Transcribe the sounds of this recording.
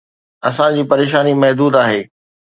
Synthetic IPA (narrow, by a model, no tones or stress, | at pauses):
ɐsãd͡ʑiːpɐɾeːʃ̬aːnimɐɦd̪uːd̪aːɦeː